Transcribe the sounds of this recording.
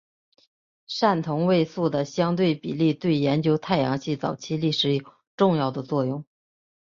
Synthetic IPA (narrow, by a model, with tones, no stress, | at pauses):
ʂa˥˩nt̪ʰʊ˧˥ŋwe˥˧ɪsu˥˩d̪ə˩ɕjɑ˥ŋt̪we˥˩ɪpḭ˨˩li˥˧t̪we˥˩ɪjɛ˧˥nt͡ɕjo˥ʊt̪ʰa˥˩ɪjɑ˧˥ŋɕi˥˩t͡sɑ̰˨˩ʊt͡ɕʰi˥li˥˩ʂɻ̩˧˥i˨˧˩kə˧˩ʈ͡ʂʊ˥˧ŋjɑ˥˩ʊd̪ə˩t͡swɔ˥˧jʊ˥˩ŋ